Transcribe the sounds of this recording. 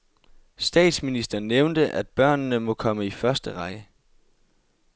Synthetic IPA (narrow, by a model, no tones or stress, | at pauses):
sd̥ɛ̰ːd̥sminisd̥ɐneʊnd̥əʔæd̥̚b̥ɶɐ̰nːəmɒ̽kʰɒ̽məifɶɐsd̥əʁɑ̈ɡ̥ə